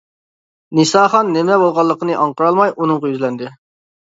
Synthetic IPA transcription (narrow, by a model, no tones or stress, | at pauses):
nɨsɑːχɑnːɪmɛbolˠʁɑlˠːəqənɨʔɑɴqəɾɑlˠmɑjʔunɨŋʁɑjyzlɛnd̪ɪ